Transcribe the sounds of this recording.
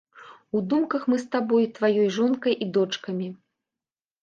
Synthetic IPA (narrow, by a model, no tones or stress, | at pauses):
ud̪umkɐxmɨst̪abɔjut̪vajɔjʐɔnkɐjʔid̪ɔt͡ʂkɐmʲi